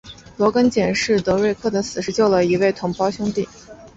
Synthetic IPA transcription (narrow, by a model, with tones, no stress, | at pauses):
lwɔ˧˥kə˥nt͡ɕjɛ˨˩nʂɻ̩˥˩t̪ɤ˧˥ɻwe˥˧ɪkʰɤ˥˩t̪ə˧˥sɹ̩˨˩ʂɻ̩˧t͡ɕjo˥˩ʊlə˩i˧˥we˥˩ɪt̪ʰʊ˧˥ŋpɑ˥ʊɕjʊ˥ŋt̪i˥˩